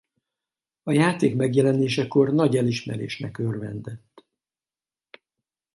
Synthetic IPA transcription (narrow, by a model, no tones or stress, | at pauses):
ɒjaːt̪eːkmɛɡjɛlɛneːʃɛko̞rnɒɟɛliʃmɛ̰ɾḛːʃnɛkørvɛnd̪ɛt̪ː